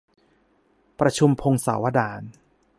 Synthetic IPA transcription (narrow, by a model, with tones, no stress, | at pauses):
pɾa˧t͡ɕʰu˧mpʰo˧ŋsa̰ː˩˦wa˦˧daː˧n